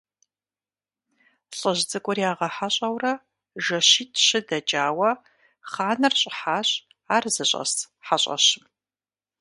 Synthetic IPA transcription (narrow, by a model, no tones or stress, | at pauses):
ɬʼɐʑd͡zɨkʷʼʊriaːʁɐħaɕʼɐwrɐ | ʒɐɕiːtʰɕɪdɐt͡ʃʼaːwɐ | χaːnɐrɕʼɪħaːɕ | aːrzɨɕʼɐ̰stʰ | ħaɕʼɐ̰ɕɪm